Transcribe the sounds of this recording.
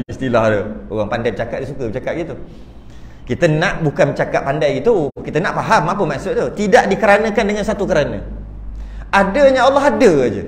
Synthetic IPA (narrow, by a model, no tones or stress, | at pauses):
ist̪ilahdəoɣaŋpandajpət͡ʃakat̪ʔ̪̚disukəmət͡ʃakat̪ʔ̚ɡit̪u | kit̪ənãʔbukanmət͡ʃakaʔ̪̚pandajɡit̪ukit̪ənãʔpaɦamapəmaʔsʊt̪̚t̪ot̪idaʔdikəɾanə̃kandəŋansat̪ukəɾanə̰̃ | adəɲaɑlːɑɦadəd͡ʒə̰